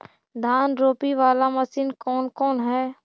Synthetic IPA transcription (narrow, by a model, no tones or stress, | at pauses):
d̪ʱaːnɾoːpiʋaːlamɐsiːnkɔːnkɔːnɦɛː